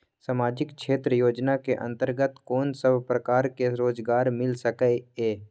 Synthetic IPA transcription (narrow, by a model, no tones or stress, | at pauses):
saːmaːd͡ʒɪkʃʰeːt̪ɾəjoːd͡ʒnakeʔə̰̃nt̪əɾɡət̪koːnsəbpɾəkaːɾkeɾoːd͡ʒɡaːɾmɪlsəkɛeː